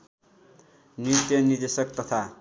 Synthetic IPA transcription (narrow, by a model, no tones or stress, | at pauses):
nit̪jʌnird̪esʌkt̪ʌt̪ʰa